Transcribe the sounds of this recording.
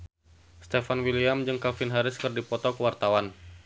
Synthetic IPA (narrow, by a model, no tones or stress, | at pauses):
st̪ɛfanwiliamd͡ʒɨŋkafɪnɦaɾɪskɨrdipɔt̪ɔkəwart̪awan